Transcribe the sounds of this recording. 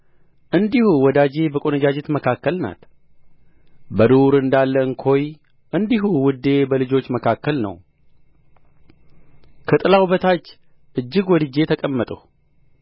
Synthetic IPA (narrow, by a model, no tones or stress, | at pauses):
ʔɨnd̪ihuwɔd̪ad͡ʒe̞bəkʼo̞nəd͡ʒad͡ʒet̪məkʰakːəlna̰t̪ | bəd̪oɾɨnd̪alːəɨŋkʰo̞j | ʔɨnd̪iɦuwɨd̪ːe̞bəlɨd͡ʒo̞t͡ʃːməkʰakːəlnə̰w | kʰət̪ʼɨlawuβət̪ʰat͡ʃː | ʔɨd͡ʒːɪɡwɔd̪ɨd͡ʒe̞t̪ʰəkʼəmːət̪ʼə̰h